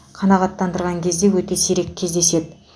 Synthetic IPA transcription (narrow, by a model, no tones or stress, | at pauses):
qʰɑnɑʁɑt̪ːɑnd̪əɾʁɑŋkʲʰe̞zd̪e̞wɵt̪e̞seɾe̞kʲʰːezd̪e̞se̞d̪ɪ